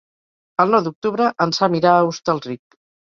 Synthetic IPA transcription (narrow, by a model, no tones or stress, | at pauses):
əlˠnɔwd̪uk̚t̪uβɾəʔənzamiɾaəust̪əlˠrik̚